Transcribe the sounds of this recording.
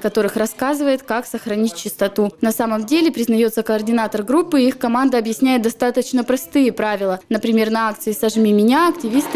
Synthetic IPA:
kɐt̪o̞ɾɨxrɐskazɨvəjɪt̪kaksəxɾɐnʲit̚ʲt͡ɕːɪst̪ɐt̪unɐsaməmdʲelʲɪpɾʲɪznɐjo̞t̪səkɐɐrdʲɪnat̪ərɡɾupːɨixkɐmand̪əɐbjɪsʲnʲæjɪt̪d̪ɐst̪at̪ət͡ɕnəpɾɐst̪ɨjɪpɾavʲɪlˠənəpɾʲɪmʲe̞rnɐak̚t̪sɨɪsɐʐmʲimʲɪnʲaɐktʲɪvʲist̪ɨ

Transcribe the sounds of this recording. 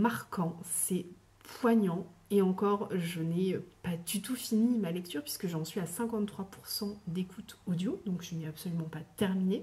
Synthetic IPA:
maʁkʰɑ̃sɛ | pwaɲɑ̃eɑ̃kɔʁʒənɛøpad̪yt̪ufinimalɛk̚t̪yʁpɥi̥skəʒɑ̃sɥiasɛ̃kɑ̃t̪t̪ːχwapuʁsɑ̃d̪ekut̪ɔd̪jod̪ɔ̃kʒənɛapsɔlymɑ̃pat̪ɛʁmine

